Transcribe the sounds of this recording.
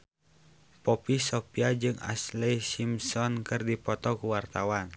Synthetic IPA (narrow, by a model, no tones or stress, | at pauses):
pɔpisɔpiad͡ʒɨŋa̰slɛjsimsɔnkɨrdipɔt̪ɔkuwart̪awan